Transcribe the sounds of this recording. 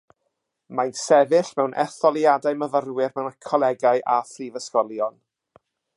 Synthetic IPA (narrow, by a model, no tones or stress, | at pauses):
majnsɛvɪɬmɛwnʔɛ̰θɔlˠjadaɨməvərwɪrmɛwnakʰɔlˠɛɡajʔafrivəskɔlˠjɔn